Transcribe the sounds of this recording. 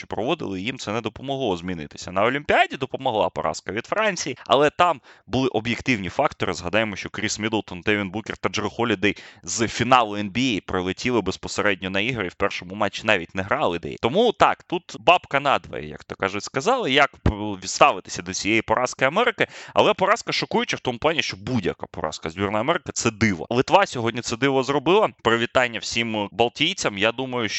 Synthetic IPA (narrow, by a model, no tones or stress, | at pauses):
t͡ʃɔ̥pɾɔʋɔd̪ɪ̰lˠɪjimt̪sɛnɛd̪ɔpɔmɔɦlˠɔzmʲinɪ̰t̪ɪ̥sʲɐnɐɔlʲimʲpʲiadʲid̪ɔpɔmɔɦlˠɑ̰pɔ̰ɾʔɑ̰skɐʋʲid̪fɾɑnʲt͡sʲijiɐ̰lˠɛt̪ɑmbʊlˠɪʔɔbjekt̪ɪwnʲifɑkt̪ɔɾɪzɦɐd̪ɑjemɔʃt͡ʃɔkɾʲismʲid̪lˠt̪ɔnd̪ɛʋʲinbukʲɪrt̪ɐd͡ʒɾɪxɔlʲʊd̪ɛjzfʲinɑlˠʊɛnbʲiejpɾɪlˠɪtʲilˠɪbespɔseɾɛdʲnʲɔnɐiɦɾiwpɛrʃɔmʊmɑt͡ʃːinɑʋʲitʲneɦɾɑlˠɪd̪ɛ̰jt̪ɔmut̪ɑkt̪ut̪bɑpkɐnɑd̪ʋɐ̰jɛ̰jɐ̰kt̪ɔkɑʒʊtʲskɐzɑlˠɪjɐkʋʲid̪st̪ɑʋɪt̪ɪ̥sʲɐd̪ɔt͡sʲijejipɔɾʔɑskɪɐmɛɾɪkɪɐ̰lˠɛpɔɾɑskɐʃɔkujʊt͡ʃɪwt̪ɔmʊplˠɑnʲiʃt͡ʃɔbudʲjɐ̰ka̰pɔ̰ɾʔɑ̰skɐzʲbʲirnɐjɐmɛɾɪkɐt̪sɛd̪ɪʋɐ̰lˠɪt̪ʋɑsʲɔɦɔdʲnʲit̪sɛd̪ɪʋɔzrɔbɪlˠɐpɾɪʋʲit̪ɑnʲːɐwsʲimbɐlˠtʲijt͡sʲɐmjad̪umɐjʊʃ